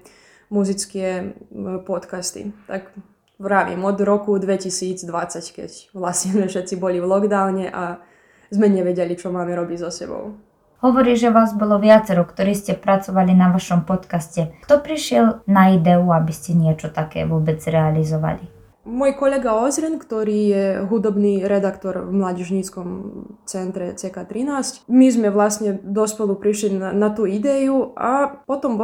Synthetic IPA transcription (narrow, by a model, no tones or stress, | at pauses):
muzit͡skiɛ | pɔt̪kast̪ḭt̪ak | ɾaʋḭmɔd̪ɾɔkud̪ʋɛcisiːd͡zd̪ʋat͡sackɛ̰cʋlasɲɛzmɛfʃɛt̪t͡sibɔlivlˠɔɡd̪aʊɲɛʔa | zmɛɲɛʋɛɟɛlit͡ʃɔmaːmɛɾɔbizɔsɛbɔ̰ʊ | hɔʋɔɾiːʒɛʋaːzbɔlɔʋɪat͡sɛɾɔkt̪ɔɾiːscɛpɾat͡sɔʋalinaʋaʃɔmpɔt̪kascɛkt̪ɔpɾiʃɪɛlnaid̪ɛuabiscɛɲɪɛt͡ʃɔt̪akɛ̰ːʋʊɔbɛd͡zɾɛalizɔʋa̰li | mɔːjkɔlɛɡaɔzɾɛnkt̪ɔɾiːjɛɦud̪ɔbniːɾɛd̪akt̪ɔɾvmlaːɟɛʒɲiːt͡skɔmt͡sɛnt̪ɾɛt͡sɛkaːt̪ɾinaːscmizmɛʋlasɲɛd̪ɔspɛlˠupɾiʃlianat̪uːid̪ɛjuapɔt̪ɔm